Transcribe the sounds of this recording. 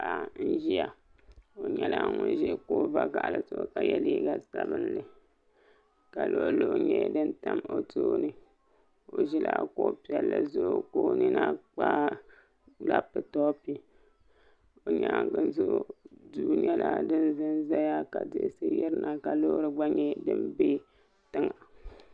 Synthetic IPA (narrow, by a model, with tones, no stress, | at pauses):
a˨˦˨n̩˦ʒi˦ja˨ | o˨ɲɛ˦la˦ŋʊ˦n˦ʒɛ˦ko˦va˦ɡa˨ʔa˨lɨ˨to˦ka˨jɛ˦liː˦ɡa˨sa˨bɨ˦n˦lɨ˨ | ka˨lo˦ʔlo˦˨ʔɲɛ˦˨dɨ˦nta˦mo˦to˦nɨ˦ | o˨ʒɛ˦la˦ko˦pi˦ɛ˨lːɨ˨zo˦koː˦ni˦na˦k͡pa˦ | la˦pːɨ˨tɔ˦pi˦ | o˨ɲa˨˦˨ŋɡɨ˦n˦zo˦ʔduː˨ni˦ɛ˦lʔa˦dɨ˦nzɨ˦nza˦ja˦ka˨de˦sɨ˦jɪ˦ɾɨ˦na˨ka˨lo˦ɾɨ˦ɡ͡ba˦ɲɛ˦dɨ˦mbe˦ | tɨ˦ŋa˨